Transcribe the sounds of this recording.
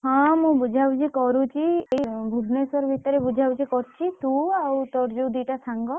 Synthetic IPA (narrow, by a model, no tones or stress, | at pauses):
ɦɔ̃mũbud͡ʒʱawt͡ʃʰikɔɾũt͡ʃʰieibʱubnesɔɾbʱit̪ɔɾebud͡ʒʱawt͡ʃʰikɔɾt͡ʃʰit̪uawt̪ɔɾd͡ʒowd̪iʈat̪ʰaŋɡɔ